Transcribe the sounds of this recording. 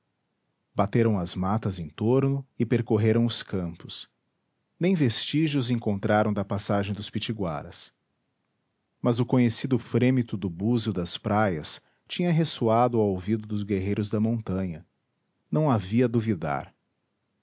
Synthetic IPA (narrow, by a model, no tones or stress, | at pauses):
bat̪eɾɐ̃w̃ɐzmat̪ɐzẽnt̪oɾnʊɪpeɾkoɦeɾɐ̃w̃ʊskɐ̃mpʊs | nẽj̃vest͡ʃiʒʊzẽŋkõnt̪ɾaɾɐ̃w̃d̪ɐpasaʒẽj̃d̪ʊspit͡ʃiɡwa̰ɾɐ̰s | mɐzʊkõɲesid̪ʊfɾẽmit̪ʊd̪ʊbuzʊd̪ɐspɾajɐs | t͡ʃĩɲɐɦesuad̪ʊaowvid̪ʊd̪ʊzɡeɦejɾʊzd̪ɐmõnt̪ɐ̃ɲɐ | nɐ̃w̃aviɐd̪uvid̪a̰ɾ